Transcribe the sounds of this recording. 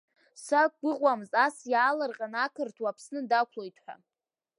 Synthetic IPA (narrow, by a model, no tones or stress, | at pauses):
sak̚ɡʷʊʁʷʼwamzasjaːlarqʼanakʰɨrtʰwapʰsnɨdakʷʰlojtʰħʷᶣa̰